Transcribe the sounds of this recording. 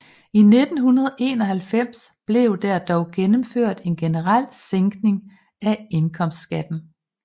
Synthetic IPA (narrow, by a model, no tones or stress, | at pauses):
ine̝d̥n̩hunɐð̞ˠʔe̝̰ːnɒ̽ɦælfem̰sb̥le̝ʊd̥æɐd̥ɒʊɡ̥enəmføɐ̰d̥e̝nɡ̥e̝nəʁɑl̰seŋɡ̥ne̝ŋ | æe̝nkʰɒ̽m̰sd̥sɡ̥æd̥n̩